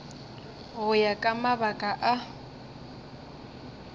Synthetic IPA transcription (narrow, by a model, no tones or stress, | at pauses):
ɣʊjakʼamabakʼaʔa